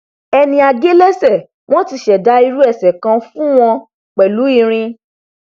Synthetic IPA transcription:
ɛ˧nĩ˧˦a˨ɡe˦lɛ˦sɛ˦˨ | w̃ɔ̃˦ti˧ʃɛ˨da˨˦i˧ɾu˦ɛ˦˨sɛ˨kã˧fũ˦w̃ɔ̃˧ | k͡pɛ˨lu˨˦i˦˧ɾ̃ĩ˧

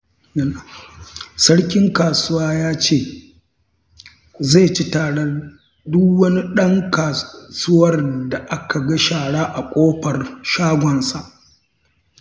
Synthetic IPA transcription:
sɐ˦ɽkʲɪ˦ŋkaː˨sʊ˦waː˦jaː˦t͡ʃeː˦˨ | ze˦˨t͡ʃi˦taː˨ɽɐ˦ | dʊ˦wɐ˦ni˦ɗɐ˦ŋkaː˨sʊ˦wɐ˦rda˨ʔa˦kʰa˨ɡa˦ʃaː˨ɽaː˦ʔa˨kʷʼoː˦ɸɐ˨rʃaː˦ɡʷɔ˨nsa˨ʔ

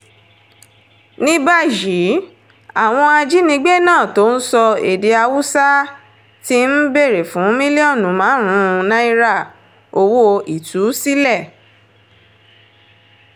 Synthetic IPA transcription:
nĩ˦ba˦ji˨˦ | a˨w̃ɔ̃˧a˧d͡ʒi˦nĩ˧ɡ͡be˦nãː˦˨to˨˦n̩˦sɔ˧ḛ˨de˧a˧wu˦sa˦ | ti˧n̩˦be˦˨ɾe˨fũ˨˦mĩ˦li˦ɔ˦˨nũ˨mãː˨˦ɾ̃ũ˦˧˦nã˦i˦˧ɾa˦˨ | o˧wo˦i˨tu˨˦si˦lɛ˦˨

